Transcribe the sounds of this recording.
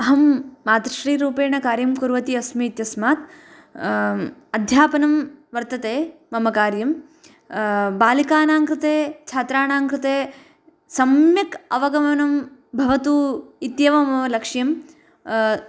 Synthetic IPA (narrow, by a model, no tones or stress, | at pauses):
ɐɦɐmːaːt̪ɾɐʃɾiːɾuːpeːɳɐkaːɾjɐmkuɾʋɐt̪iɐsmiːt̪jɐsmaːt̪ | ɐd̪ʱjaːpɐnɐmʋɐɾt̪ɐt̪eːmɐmɐkaːɾjɐm | baːlikaːnaːŋkɾɪt̪eːt͡ʃʰaːt̪ɾaːnaːŋkɾɪt̪eː | sɐmjɐkɐʋɐɡɐmɐnɐmbʱɐʋɐt̪uːit̪jɐʋɐmɐɐlɐkʂjɐm